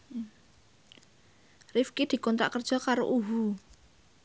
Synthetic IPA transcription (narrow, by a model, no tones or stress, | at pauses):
rifkid̪̥i̤kɔnt̪ɾa̰ʔkərd̥ʒ̥ɔ̤kaɾo̰ʔuɦu